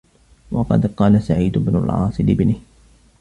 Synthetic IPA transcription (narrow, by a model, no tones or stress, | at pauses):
wɑqɑ̰d̪qɑːlasaʕiːd̪ʊbnʊ̰lʕɑ̰ːsˤɨlɪbnɪh